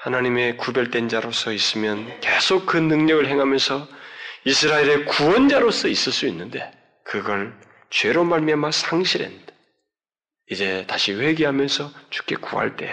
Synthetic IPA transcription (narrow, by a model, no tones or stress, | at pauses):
hanaɲime̞kubjʌɭt͈we̞nd͡ʑaɾos͈ʰʌis͈ɯmjʌnke̞sʰok̚kʰɯnːɯŋɲʌɡɯɭɦeŋɦamjʌnsʰʌisʰɯɾaeɾe̞kuwʌnd͡ʑaɾos͈ʰʌis͈ɯɭs͈uinːɯnde̞ | kɯɡʌɭ | t͡ɕwe̞ɾomaɭmiɦamasʰaŋɕʰiɾḛnda | id͡ʑe̞taɕʰiɸe̞ɡiɦamjʌnsʰʌt͡ɕu̥k͈e̞kuɦa̰ɭt͈e̞̰